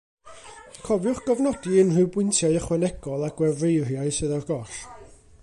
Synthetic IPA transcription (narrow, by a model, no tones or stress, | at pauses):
kʰɔvjʊχɡ̥ɔvnɔdiənrɨwbwɪntʰjaɨəχwɛnɛɡ̥ɔlˠaɡ̥wɛvrejrjaɨsɨðarɡɔrɬ